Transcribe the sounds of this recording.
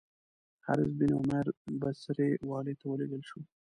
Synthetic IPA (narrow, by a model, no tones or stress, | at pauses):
ha̰ɾɪzbinʊmaɾbasaɾewɑlet̪awəleɡ̪əlʃu